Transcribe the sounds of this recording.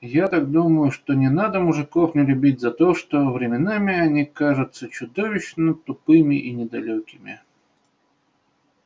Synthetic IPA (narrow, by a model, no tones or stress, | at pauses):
jat̪ak̚d̪uməjʊʂt̪onʲɪnad̪əmʊʐɨkofnʲɪlʲʉbʲit̚ʲzɐt̪oʂt̪o̞vɾʲɪmʲɪnamʲɪɐnʲikaʐʊt̪sət͡ɕʊd̪ovʲɪɕnət̪ʊpɨmʲɪʔinʲɪd̪ɐlʲokʲɪmʲɪ̰